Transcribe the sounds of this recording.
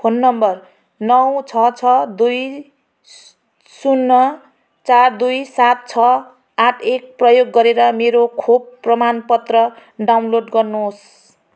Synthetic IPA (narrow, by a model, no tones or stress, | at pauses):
pʰonːʌmbʌr | nʌw̃t͡sʰʌt͡sʰʌd̪uj | sunːʌ | t͡sard̪ujsat̪̚t͡sʰʌ | aʈʰek̚prʌjoɡːʌɾeɾʌmeɾokʰob̚prʌmanpʌt̪rʌɖawnloɖɡʌrnos